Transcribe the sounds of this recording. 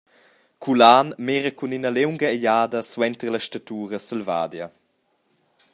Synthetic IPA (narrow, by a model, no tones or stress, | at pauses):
kʰulaːnmeːɾəkuninɐlewŋɡɐɛjaːdɐswɛnt̪ərlɐʃtat̪uːɾəsəlva̰ːd̪jɐ